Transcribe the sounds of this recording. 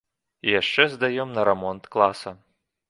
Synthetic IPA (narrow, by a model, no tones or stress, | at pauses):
ijaʂt͡ʂɛzd̪ajɛmnɐɾɛmɔnt̪klˠasɐ